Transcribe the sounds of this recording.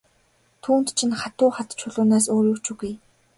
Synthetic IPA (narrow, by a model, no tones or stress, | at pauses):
t̪ʰuːnt̪t͡ɕʰinχat̪ʊːχat̪t͡ɕʰʊɮʊːnaːs̬oːɾjukt͡ɕuɣuj